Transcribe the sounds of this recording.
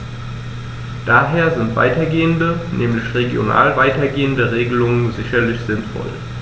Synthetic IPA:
d̥aːɦeːɐzɪntv̥a̰ɪtɐɡeːəndənʔɛːmlɪçʁeɡjo̰na̰ːlvaɪtɐɡeːəndəʁeːɡəlʊŋənzɪçɐlɪçz̥ɪnfɔ̰l

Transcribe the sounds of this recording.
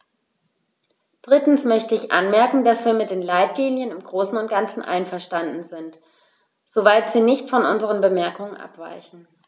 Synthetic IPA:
d̥ʁɪtn̩smœçtəɪçʔa̰nmɛɐkŋ̩dasv̥iːɐmɪt̚d̥eːnlaɪtliːnjənɪmɡʁoːsn̩ʊnt̚ɡ̥ant͡sn̩ʔa̰ɪnfɛɐʃtandn̩zɪnt | z̥ovaɪtz̥iːnɪçtfɔnʔʊnzəʁənbəmɛɐkʊŋənʔa̰pv̥a̰ɪçn̩

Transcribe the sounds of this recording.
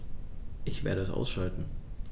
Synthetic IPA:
ʔɪçv̥ḛːɐɾəɛsʔa̰ʊsʃaltn̩

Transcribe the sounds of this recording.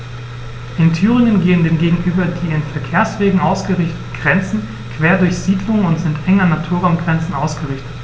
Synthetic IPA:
ʔɪntʰyːʁ̞ɪŋənɡeːəndeːmɡeːɡŋ̩ʔyːbɐdiːɪnfɛɐkʰeːɐsv̥eːɡŋ̩ʔaʊsɡ̥əʁɪçtə̥tn̩ɡ̥ʁɛnt͡sn̩ | kv̥eːɐdʊɐçz̥iːdlʊŋənʊntz̥ɪntʔɛŋɐnatʰuːɐʁaʊnɡʁɛnt͡sn̩ʔaʊsɡ̥əʁɪçtə̥t

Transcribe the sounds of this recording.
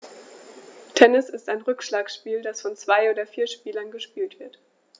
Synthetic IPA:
tʰɛnɪsɪstaɪnʁʏkʃlaːksʃpiːldasfɔnt͡sv̥aɪoːdɐfiːɐʃpiːlɐnɡəʃpiːltv̥ɪɐt

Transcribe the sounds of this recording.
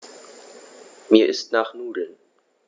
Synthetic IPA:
miːɐʔɪstnaːχnuːdl̩n

